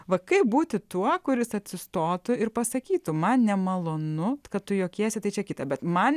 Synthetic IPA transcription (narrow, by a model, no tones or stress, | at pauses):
ʋɐkɐɪp̚buːt̪ʲɪt̪uɔkʊɾʲɪsɐt̪ʲsʲɪst̪oːt̪ʊɪrpɐsɐkʲiːt̪ʊmɐnnʲɛmɐlˠoːnʊkɐt̪t̪ʊjoːkʲiɛsʲɛt̪ɐɪt͡ʃʲɛkʲɪt̪ɐbʲɛt̪mɐn